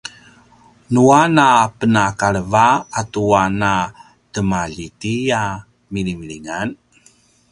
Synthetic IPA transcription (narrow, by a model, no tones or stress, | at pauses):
nuanapənakaɭəvaːtuana | təmaʎitija | milimiɭiŋan